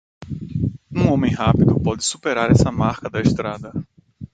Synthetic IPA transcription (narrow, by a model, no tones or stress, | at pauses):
ũõmẽj̃ɦapid̪ʊpɔd͡ʒ̪ɪsu̥peɾaɾɛsɐmaɾkɐd̪ɐeʃt̪ɾad̪ɐ